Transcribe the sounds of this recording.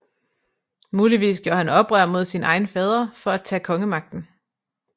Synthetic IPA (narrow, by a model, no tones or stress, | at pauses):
muːliʋḭːsɡ̥jo̝ɐ̰hænɒ̽b̥ʁœ̰ɐ̰mo̝ð̞ˠsinʔɑ̈ɪn̩əfɛːð̞ˠʁɐfɒ̽æd̥̚t͡sʰɛ̰ːkʰɒ̽ŋəmɑ̈ɡ̥̚d̥n̩